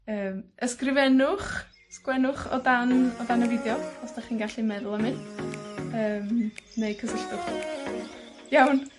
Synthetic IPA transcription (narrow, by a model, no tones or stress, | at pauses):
əːməskrɪvɛnʊχ | skwɛnʊχɔ̰danɔdanəvɪdjɔɔsd̥aχiːnɡaɬimɛðʊlˠəmɪn | əːmnejkʰəsəɬtʊχ | jawn